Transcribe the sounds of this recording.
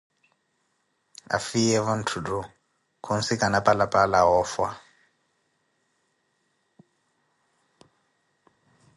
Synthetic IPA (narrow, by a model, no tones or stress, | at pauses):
a̰fiɛβan̩tʰudu | kʰon̩sikanapʼalapʼalaɦɔːfwa